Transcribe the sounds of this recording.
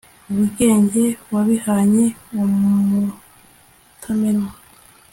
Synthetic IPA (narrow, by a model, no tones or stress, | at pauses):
uβuɡe̞ːɲɟe̞waβihaɲe̞omu | tʰameɾma